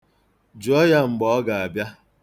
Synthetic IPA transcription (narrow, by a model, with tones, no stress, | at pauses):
d͡ʒu˨˦ɔ˦ja˦ŋ͡m̩˨ɡ͡bɔ˨ɔ˦ɡa˨a˨bja˦